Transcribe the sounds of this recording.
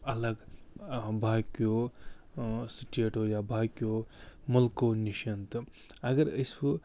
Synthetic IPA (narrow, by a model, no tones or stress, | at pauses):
ɐləɡ | bʱakjo | siʈeːʈojabʱakjomulkoniʃɐnt̪ | ɐɡəɾəso